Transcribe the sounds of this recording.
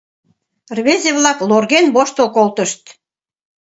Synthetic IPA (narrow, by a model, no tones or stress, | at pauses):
rβezʲeβlɑklorɣenboʃt̪olkolt̪əʃt̪